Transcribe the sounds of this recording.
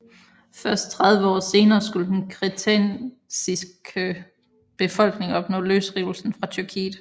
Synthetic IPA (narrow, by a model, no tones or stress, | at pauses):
fɶɐsd̥̚t͡sʰʁäðˠʋəɒ̰ːse̝ːnɐːsɡ̥uləhenɡʰʁit͡sʰen | sisɡ̥̚ | b̥e̝fɒ̽l̰ɡ̥ne̝ŋɒ̽b̥nɔ̰̽løːsʁiʊl̩sn̩fʁɑ̈t͡sʰyɐkʰḭːð̥̩ˠ